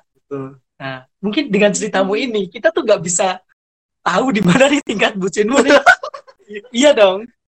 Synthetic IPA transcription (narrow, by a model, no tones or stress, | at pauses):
it̪u | na | muŋkɪndəŋant͡ʃəɾit̪amuinikit̪at̪ʊhŋɡaʔbisa | t̪audimanadit̪iŋkat̪̚but͡ʃɪnmunɛ | ijadɔŋ